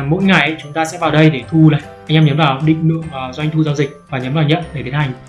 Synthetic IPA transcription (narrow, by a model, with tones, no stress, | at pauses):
mo̰˧˥jŋa˨˩jʔə˨˦jt͡ɕʊ˨˦ŋ͡mt̪aː˧sɛ̰˧˥vaː˨˩wɗə˧jɗe˧˩t̪ʰu˧la̰ː˧˨˩ʔa˧jŋʔɛ˧mɲə˨˦nmvaː˨˩wɗḭ̈˧˨ŋ̟lɨ̰˧˨əŋʔəː˨˩zwa˧ŋ̟t̪ʰu˧zaː˧wzï˨˩k̚vaː˨˩ɲəː˨˦nvaː˨˩wɲə̰˧˨nve˧˩t̪ʰe˨˦nɦa˨˩jŋ̟